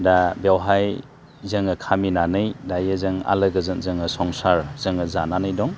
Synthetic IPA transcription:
dabawɦaj | zɐŋɐkʰaminanɯjdajəzɯŋa̰lɐɡɐzɯŋzɯŋɯsɔŋsaɾz̥ɯŋɐzananɯjdɔŋ

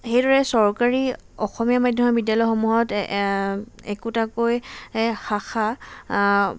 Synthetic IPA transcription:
xejdɔɹɛsɔɹkaɹi | ɔxɔmijamajdʱjɔmɔbidjalɔjxomuɦɔt | ɛkutakojxaxʰa

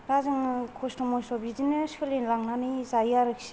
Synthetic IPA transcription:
ɾazɯŋkʰɔstɔmɔjsɔbidinɯskʰɯlenlaŋnanizajaɾɯksi̥

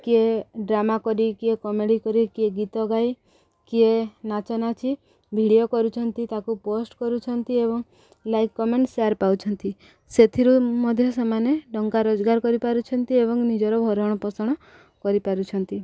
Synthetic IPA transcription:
kieɖɾamakɔɾikiekɔmeɽikɔɾikieɡit̪ɔɡaj | kienat͡ʃɔnat͡ʃʰi | bʱiɽiokɔɾut͡ʃʰɔnt̪it̪akuposʈkɔɾut͡ʃʰɔnt̪iebɔŋ | lajkːɔmeɳʈsaɾpawt͡ʃʰɔnt̪i | set̪ʰiɾumɔd̪ʱjɔsamaneɖɔŋkaɾod͡ʒɡaɾkɔɾipaɾut͡ʃʰɔnt̪iebɔŋnid͡ʒɔɾɔbʱɔɾɔɽ̃ɔpɔsɔɽ̃ɔ | kɔɾipaɾut͡ʃʰɔnt̪i

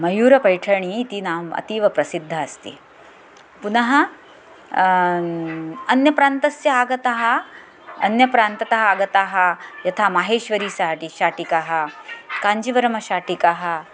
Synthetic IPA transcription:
mɐjuːɾɐpɐjʈʰɐɳiːt̪inaːʋɐ̰t̪iːʋɐpɾɐsid̪ʱːɐɐst̪ḭ | punɐɦɐ | ɐnjɐpɾaːnt̪ɐsjɐaːɡɐt̪ɐɦɐ̆ | ɐ̰njɐpɾaːnt̪ɐt̪ɐɦɐaːɡɐt̪aːɦɐjɐt̪ʰaːmaɦeːʃʋɐɾiːʃaʈiʃaːʈikaːɦɐ̆kaːɲd͡ʒiʋɐɾɐmɐʃaːʈikaːɦɐ̆

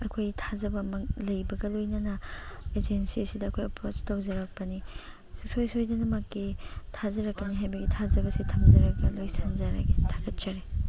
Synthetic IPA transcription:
ɐkʰojtʰazɐbɐmɐklɐjbɐɡɐlojnɐnɐed͡ʒensisidɐːkʰojɐpɾot͡ʃtɐwzɐɾɐk̚pɐni | susojsojdɐnɐmɐkːitʰazɐɾɐkːɐniɦajbɐɡitʰazɐbɐsitʰɐmzɐɾɐɡɐlojsanzɐɾa̰ɡetʰḁɡɐt̚t͡ʃɐɾe

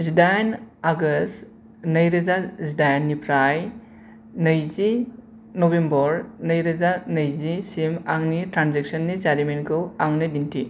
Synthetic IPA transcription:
zidajnaɡɐs | nɐjɾɐzazidajnːipʰɾaj | nɐjzi | nobembɔɾnɐjɾɐzanɐjzisimaŋnitɾanzek̚sɐnːizaɾimenkʰɯwaŋnidinti

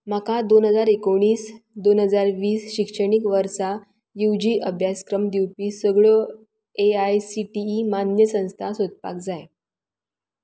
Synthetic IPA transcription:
m̤akad̪onɦəd͡zaɾekoɽ̃iːsd̪onɦəd͡zaɾʋiːsɕikʂəɽ̃ikʋəɾsa | jiwd͡ʑiːʔəbʱjaskɾəmd̪iwpiːsəɡɭə | eajsiʈiːmanjəsə̃w̃st̪ʰasod̪̚pa̰k̚d͡zaj

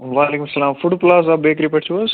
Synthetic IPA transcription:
ʋaːleːkʊmsɐlaːmfuɖplaːs̬aːbeːkɾipɐʈʰt͡ʃʰuɐs

